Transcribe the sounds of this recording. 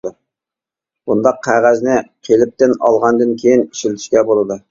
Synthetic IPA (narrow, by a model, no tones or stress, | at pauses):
bund̪ɑqʰːæʁæznɪqʲʰelɪp̚t̪ɪnɑ̰lˠʁɑnd̪ɨnkʲʰejini̥ʃilt̪ʰɪ̥ʃkʲɛbolˠɨd̪ʊ